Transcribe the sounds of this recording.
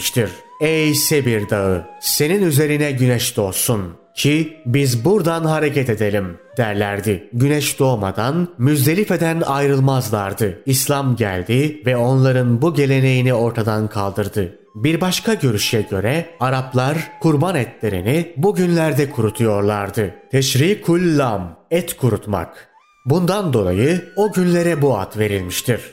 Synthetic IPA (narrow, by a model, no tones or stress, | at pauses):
t͡ʃt̪ʰiɾ̥ | ɛjsebiɾd̪aɯse̞ninyze̞ɾinɛɟynɛʃd̪̥o̞sun | cʰibizbuɾd̪anɦaɾe̞cɛt̪e̞d̪e̞lʲimd̪̥æɾlʲæ̰ɾd̪ɪɟynɛʃd̪o̞ːma̰d̪anmyzd̪e̞lʲife̞d̪ænajɾɯlˠmazlˠaɾd̪ɯislʲˠamɟæ̰lʲd̪ivɛo̞nlˠaɾɯnbuɟe̞lʲe̞ne̞jinio̞ɾt̪ʰad̪ankʰalˠd̪ɯɾd̪ɯ | biɾbaʃkʰaɟø̞ɾyʃjɛɟø̞ɾɛaɾaplˠaɾkʰuɾbanɛt̪lʲe̞ɾḭnibuɟynlʲæɾd̪ɛkʰuɾut̪ʰujo̞ɾlˠaɾd̪ɯt̪ʰɛʃɾikʰulʲːamɛt̪kʰuɾut̪ma̰k | bund̪and̪o̞lˠa̰jɯo̞ɟynlʲe̞ɾɛbua̰t̪ve̞ɾilʲmiʃt̪ʰiɾ̥